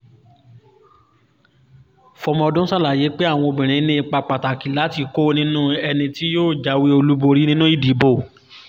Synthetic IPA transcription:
fɔ˧mɔ̃˧ɔ˧dũ˦sa˦la˨je˨˦k͡pe˦a˦˨w̃ɔ̃˧o˧bĩ˨ɾ̃ĩ˨˦nĩ˦i˧k͡pa˧k͡pa˨ta˨ki˨la˨˦ti˧ko˦˨˧nĩ˦nũ˦ɛ˧nĩ˧ti˦joː˦˨d͡ʒa˨˦we˦o˧lu˦bo˧ɾi˦nĩ˦nũ˦i˦˨di˨˦bo˦˨

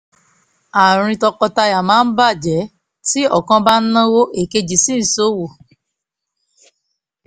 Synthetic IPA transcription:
a˨ɾ̃ĩ˧tɔ˧kɔ˧ta˧ja˨mãː˨˦n̩˦ba˦˨d͡ʒɛ˨˦ | ti˦ɔ˦˨kã˧ba˦n̩˦nã˦wo˦ʔe˨ke˧d͡ʒi˨sĩ˦n̩˨so˨˦wo˨

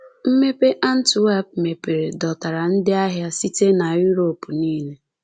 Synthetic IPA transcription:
m̩˦me˦pe˦ʔa˦n̩˦tu˨wa˦p̚me˨pe˨ɾe˨dɔ˨ta˨ɾa˨n̩˦dɪ˦a˦ɦja˦si˦te˦na˨ju˦ɾo˨pu˨niː˦le˦

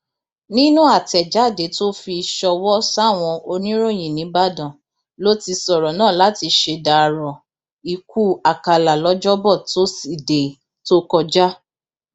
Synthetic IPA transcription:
nĩ˦nũ˦a˦˨tɛ˨d͡ʒa˨˦˨de˨˦to˦fi˧ʃɔ˧wɔ˦sa˦˨w̃ɔ̃˧o˧nĩ˦ɾo˦˨j̃ĩ˨nĩ˨˦ba˦˨dɔ̃˨ | lo˦ti˧sɔ˨ɾɔ˨nãː˦˨la˨˦ti˧ʃe˧da˨ɾɔ˨ | i˨ku˦a˨ka˧˨la˨lɔ˨˦d͡ʒɔ˦bɔ˦˨to˦si˨de˨ | to˦kɔ˧d͡ʒa˦

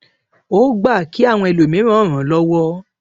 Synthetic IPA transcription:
o˦ɡ͡ba˦˨ki˨˦a˦˨w̃ɔ̃˧ɛ˧lo˨mĩ˨˦ɾ̃ã˦˨ɾ̃ã˨˦lɔ˦wɔ˦

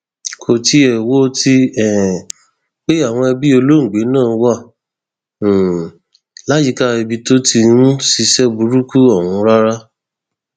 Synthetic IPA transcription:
kʰo˨ti˧ɛ˨wo˦ti˧ɛ˨ | k͡pe˦a˦˨w̃ɔ̃˧ɛ˧bi˦o˧lo˦ŋ̩˨ɡ͡be˨˦nãː˦˨˦wa˦˨ | la˦d͡ʒi˧ka˦ɛ˧bi˧to˦ti˧nũ˦si˧sɛ˦bu˧ɾu˦ku˦ɔ˦˨wũ˧˦ɾa˦ɾa˦

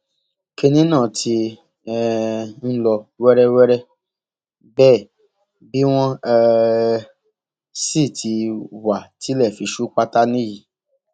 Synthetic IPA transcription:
ke˧nĩ˦nãː˦˨tʰi˧ | ɛ˧n̩˦lɔ˧wɛ˦ɾɛ˦wɛ˦ɾɛ˦ | bɛː˦˨ | bi˨˦w̃ɔ̃˦ɛ˧ | si˦˨tʰi˧wa˨ti˨˦lɛ˦˨fi˧ʃu˦k͡pa˦ta˦nĩ˦ji˨

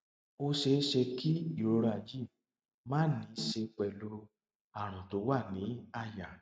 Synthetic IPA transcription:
o˧ʃe˧˦ʃe˧ki˦i˦˨ɾo˧ɾa˨d͡ʒi˦˨ | mãː˦nĩ˨˦ʃe˧k͡pɛ˨lo˧ɾo˧ | a˨ɾ̃ã˨to˨˦wa˦˨nĩ˨˦a˧ja˨

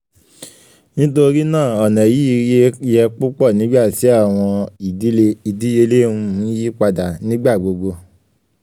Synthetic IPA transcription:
nĩ˦to˧ɾi˦nãː˦˨ɔ˨nɛ̃˨ji˨˦˧je˧jɛ˧k͡pu˦k͡pɔ˦˨nĩ˨˦ɡ͡ba˦˨ti˨˦a˦˨w̃ɔ̃˧i˨˦˧i˨di˨˦je˧le˦ũ˧˦ji˦k͡pa˧da˨nĩ˦ɡ͡ba˦˨ɡ͡bo˧ɡ͡bo˧

